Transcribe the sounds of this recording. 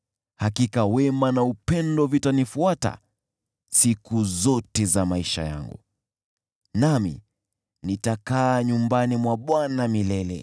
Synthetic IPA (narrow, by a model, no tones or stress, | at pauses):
hakikawɛmanaupɛndɔvitanifuata̰ | sikuzɔtɛzamaiʃa̰ja̰ŋɡṵ | namḭ | nitakaːɲumbanimwaɓwanamilɛlɛ